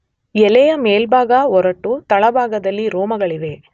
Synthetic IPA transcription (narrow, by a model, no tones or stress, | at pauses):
ɛlɛjɐmeːlbʱaːɡɐɔɾɐʈːut̪ɐɭɐbʱaːɡɐd̪ɐlːiɾoːmɐɡɐɭiʋ̪e̞